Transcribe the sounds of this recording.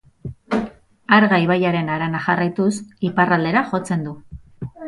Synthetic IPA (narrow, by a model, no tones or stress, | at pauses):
aɾɣaiβ̞ajaɾe̞naɾanaxarajt̪usiparald̪e̞ɾaʝo̞t͡se̞nd̪u